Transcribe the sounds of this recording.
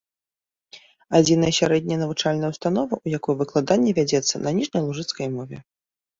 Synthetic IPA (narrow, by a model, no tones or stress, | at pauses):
ad͡zʲin̪ɐjɐsʲaɾɛd̪ʲnʲɐjnɐvut͡ʂalʲnɐjɐwst̪anɔvɐʔujakɔjɛvɨklˠad̪anʲːɛvʲad͡zʲɛt̪sːɐ̰nɐnʲiʐnʲɐjlˠuʐɨt̪skɐjmɔvʲɛ̰